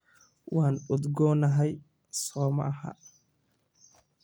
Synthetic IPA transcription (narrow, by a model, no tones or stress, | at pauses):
waːnʊd̪ɡɔːnɐɦɛj | sɔːmɐ̰ʔɐha̰ː